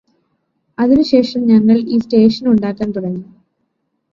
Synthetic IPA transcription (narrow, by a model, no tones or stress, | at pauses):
ɐðinuɕe̞ːʂɐmɲɐŋːɐɭiːste̞ːʂɐnuɳɖaːkːaːnt̪uɽɐɲːu